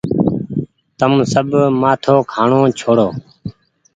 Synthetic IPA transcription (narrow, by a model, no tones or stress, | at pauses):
t̪əmsəbmaːt̪ʰoːkʰaːɳoːt͡ʃʰoːɽoː